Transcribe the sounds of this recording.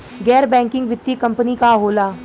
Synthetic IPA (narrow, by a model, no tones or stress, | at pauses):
ɡɛːɾbɛ̃ːŋkɪ̃ŋɡʋɪt̪ːikɐ̃mpənikaɦoːlaː